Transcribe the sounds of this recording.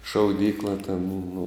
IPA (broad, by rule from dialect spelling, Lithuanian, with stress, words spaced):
ʃɐʊˈdʲiːklˠɐ tʲɛn nʊ